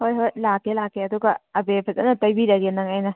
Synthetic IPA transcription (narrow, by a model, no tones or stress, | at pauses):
hojɦojlakːelakːeɐduɡɐɐbepʰɐtɐ̰nɐtɐjbiɾɐɡenːɐŋajnɐ